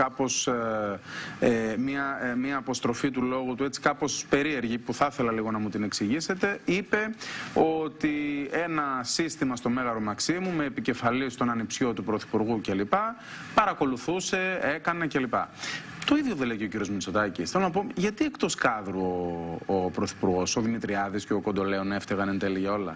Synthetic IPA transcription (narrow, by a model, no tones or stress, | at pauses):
kɐpo̞s | emiɐmiɐːpo̞st̪ɾo̞fit̪̬ulo̞ɣut̪ue̞t͡si̥kɐpo̞spe̞ɾie̞ɾʝipuθɐθe̞lɐliɣo̞nɐmut̪ine̞ksiʝise̞t̪e̞ipe̞o̞t̪ienɐsist̪imɐst̪o̞me̞ɣɐɾomɐksimume̞ːpice̞fɐlist̪o̞nɐnipsjo̞t̪upɾo̞θi̥puɾɣuce̞lipɐ | pɐɾɐko̞luθuse̞e̞kɐne̞ce̞lipɐ̰ | t̪o̞iðjoðeleceo̞ciɾio̞zmit͡so̞t̪ɐcisθelonɐp̬o̞ʝɐt̪ie̞kt̪o̞skɐðɾuoopɾoθi̥puɾɣo̞so̞ðinit̪ɾiɐðisceokond̪o̞leo̞ne̞ft̪eɣɐnent̪eliʝɐo̞lɐ̰